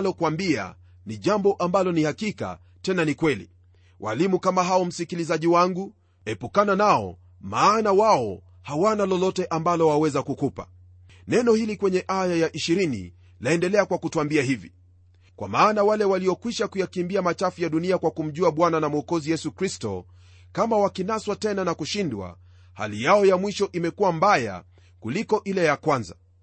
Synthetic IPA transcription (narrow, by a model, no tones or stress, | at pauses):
lɔkwambia̰ | niʄambɔʔambalɔnihakika̰ | tɛnanikwɛlḭ | wʔa̰limukamaɦaɔm̩sikilizaʄiwaŋɡu | ɛpukananaɔ̰ | maːnawaɔ | hawanalɔlɔtɛʔambalɔwawɛzakukupḁ̰ | nɛnɔhilikwɛɲɛʔajajaʔiʃiɾinḭ | laɛndɛlɛakwakutuwambiaɦivḭ | kwa̰maːnawalɛwaliɔkwiʃakujakimbiamat͡ʃafujaɗuniakwakum̩ʄuaɓwananamuɔkɔzijɛsukɾistɔ̰ | kamawakinaswatɛnanakuʃindwa̰ | ha̰lijaɔjamwiʃɔʔimɛkuwambaja̰ | kulikɔʔilɛjakwanza